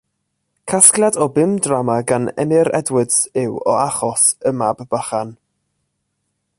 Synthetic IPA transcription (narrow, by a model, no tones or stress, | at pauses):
kʰaskljadɔbɪmdramaɡanɛ̰nɪɾɛ̰dwɪdsɪwɔ̰aχɔsəmabːaχan